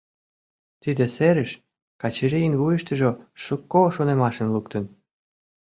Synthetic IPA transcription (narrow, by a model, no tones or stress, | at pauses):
t̪id̪ĕseɾə̆ʃ | kɑt͡ɕeɾijənβujə̆ʃt̪ə̆ʒoʃə̆kːoʃonemɑʃə̆nlukt̪ə̆n